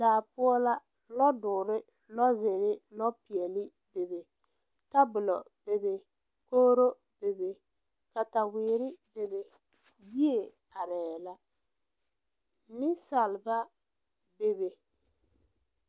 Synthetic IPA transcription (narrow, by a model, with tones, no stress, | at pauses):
daː˨pʊ˦ɔ˦la˦ | lɔ˦dʊː˨ɾɪ˦ | lɔ˦zɪ˨ɾɪ˦lɔ˦pi˨ɛ˨lɪ˦ | be˨be˨ | ta˦bʊ˨lɔ˨ | b̥e˨be˨ | koː˦ɾo˦ | be˨be˨ | ka˨ta˨wɪː˨ɾɪ˦be˨be˨ | bi˦e˨ | a˨ɾɛː˨la˦ | nɪ˦sa˨lba˦ | be˨be˨